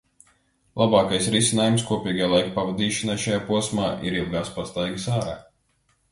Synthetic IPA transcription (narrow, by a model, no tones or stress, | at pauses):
lˠabɑːkajsɾisʲinaːjumskuɔpʲiːɡajlˠajkpavad̪iːʃɔnajʃajaːpuɔsmaːʔiɾilˠɡaːspast̪ajɡɨsaːɾa̰ː